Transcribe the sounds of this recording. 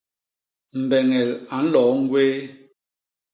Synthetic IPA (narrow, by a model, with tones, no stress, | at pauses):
m̩˨bɛ˨ŋɛ˨la˨n̩˦lɔː˨˦ŋ̩˦ɡweː˦